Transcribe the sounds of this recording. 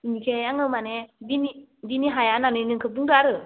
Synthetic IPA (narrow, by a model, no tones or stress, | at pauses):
inikʰɛjaŋəmanɛdini | diniɦajananenəŋkʰəbuŋdaɾɯ